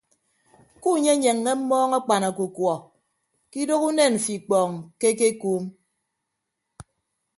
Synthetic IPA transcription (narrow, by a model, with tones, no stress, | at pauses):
ku˦˨ɲe˦ɲe˨ŋːe˦m̩˦mɔː˦ŋa˦k͡pa˨na˨ku˨kwɔ˨ | ki˦do˦ku˦ne˦˨n̩˨fi˨k͡pɔː˨ŋ˨ke˦ke˦kuː˦m